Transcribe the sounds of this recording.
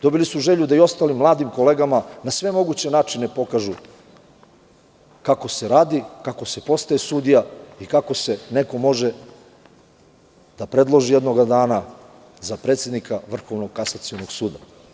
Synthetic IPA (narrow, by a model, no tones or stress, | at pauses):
d̪o̞bilisuʒe̞ʎud̪aio̞st̪aːlimːlˠaːd̪imko̞leɡamanasʋe̞mo̞ɡut͡ɕe̞naːt͡ʃine̞po̞kaʒu | kako̞se̞ɾaːd̪ikako̞se̞po̞st̪ajesud̪ijaikako̞se̞ne̞ko̞mo̞ʒe | d̪apɾe̞d̪lˠo̞ʒijed̪no̞ɡad̪aːna | zapɾet̪sje̞d̪nikʰaʋr̩xo̞ʋnoɡ̚kasat̪sionoɡsuːd̪a